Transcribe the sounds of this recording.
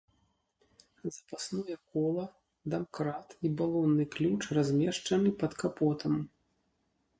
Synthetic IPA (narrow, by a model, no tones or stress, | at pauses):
zɐpasnɔjɛkɔlˠɐ | d̪amkɾat̪ibalˠɔnːɨklʲut͡ʂrazʲmʲɛʂt͡ʂɐnɨpɐt̪kapɔt̪ʰɐm